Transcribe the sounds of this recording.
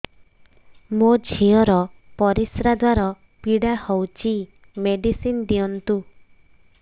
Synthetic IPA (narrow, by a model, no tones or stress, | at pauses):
mod͡ʒʱiɔɾɔpɔɾisɾad̪waɾɔ | piɽahɔwt͡ʃʰi | meɖisind̪iɔnt̪u